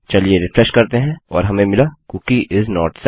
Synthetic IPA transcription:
t͡ʃɐlieɾɪfɾɛʃkɐɾt̪eɦɛ̃ɔːɾɦɐmẽmɪlakukiʔɪznɔːɾʈs

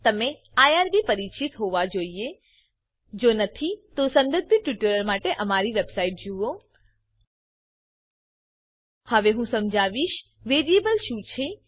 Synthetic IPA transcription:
t̪əme | ajaɾbipəɾit͡ʃʰit̪ɦoʋad͡ʒoie | d͡ʒonət̪ʰit̪osə̃nd̪əd̪̚bʱiʈʋiʈəɾəlmaʈeʔəmaɾiʋebsaiʈ̚d͡ʒuo | həʋeɦũsəmd͡ʒʱaʋiʃ | ʋeɾijebəlʃũt͡ʃʰe

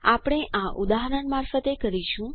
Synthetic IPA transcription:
a̰pɽ̃eãʔud̪aɦəɾəɳmaɾfət̪ekəɾiʃũ

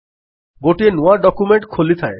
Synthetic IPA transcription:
ɡoʈienuaɖɔkumeɳʈkʰolit̪ʰae

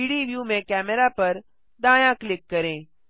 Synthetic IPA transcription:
iːɽiːʋjuːmẽkɛːmɛɾapɐɾ | d̪ãːjãklɪkːəɾẽː

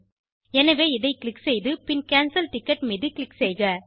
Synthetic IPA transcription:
ɛnɐʋeːɪðɐɪklɪksɛjðɯpɪnkaːnsɐlʈɪkːɐʈmɛðɯklɪksɛɪɣɐ

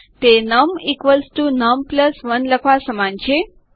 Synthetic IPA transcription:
t̪enəmikʋəlsʈunəmpləsʋənləkʰʋasəmãnt͡ɕe

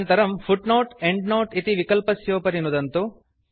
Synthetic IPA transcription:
nt̪ɐɾɐmpʰuʈnoːʈeɳɖnoːʈit̪iʋikɐlpɐsjoːpɐɾinud̪ɐnt̪u

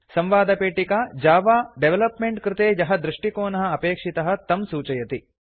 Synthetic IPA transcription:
sɐmʋaːd̪ɐpeːʈikaːd͡ʒaːʋaːɖeʋelɐpmeɳʈkɾɪt̪eːjɐɦɐd̪ɾuʂʈikoːnɐɦɐ̆ɐpeːkʂit̪ɐɦɐ̆t̪ɐmsuːt͡ʃɐjɐt̪i

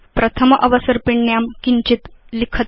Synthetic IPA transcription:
pɾət̪ʰəmʔəʋəsəɾpiɳɳjamkiɲt͡ɕit̪likʰət̪

